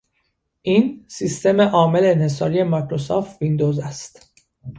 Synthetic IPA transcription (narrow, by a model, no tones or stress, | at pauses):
ʔiːnsist̪e̞me̞ʔɒːme̞leːnhe̞s̬ɒːɾije̞mɒkʰɾosoft̪vind̪ozæst̪